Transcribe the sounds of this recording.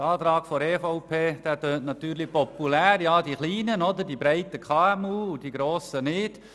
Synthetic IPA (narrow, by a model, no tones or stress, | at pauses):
ɑːtɾɑːɡ̥fɔɾeːfaʊpʰeːd̥æːtøːntnɑt̪yːɾlipɔpːulæːɾjɑːdiχliːnənɔdəɾdibɾɛɪtəkʰɑːɛmuːud̥iɡɾoːsənɪd̥